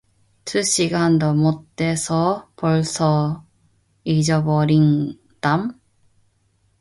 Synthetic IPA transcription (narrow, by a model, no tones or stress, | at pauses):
tʰɯɕ͈ʰiɡandʌmot̚tt͈esʰʌpʌɭsʰʌ | id͡ʑʌbʌɾin | d̥am